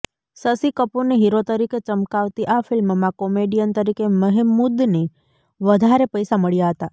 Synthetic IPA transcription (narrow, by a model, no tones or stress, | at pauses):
səsikəponeɦiɾot̪əɾiket͡ʃəmkaʋt̪iʔafɪlmmãkɔmeɖijənt̪əɾikeməɦemːud̪ne | ʋəd̪ʱaɾepəjsaməɭjaɦət̪a